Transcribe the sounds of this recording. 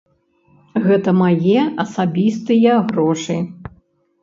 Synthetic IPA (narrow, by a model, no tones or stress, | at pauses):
ɣɛt̪ɐmajɛɐsabʲist̪ɨjɐɣɾɔʂɨ